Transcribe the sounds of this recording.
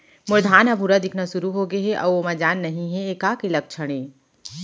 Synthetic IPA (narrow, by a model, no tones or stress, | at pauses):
mʊɾd̪ʱaːnɦɐbʱuɾad̪ɪkʰnaʃʊɾuɦoːɡeɦɛʔɐ̰ːomad͡ʒaːnːɐɦĩɦɛ̃eːkaːkelɐk̚t͡ʃʰɐɽ̃ẽː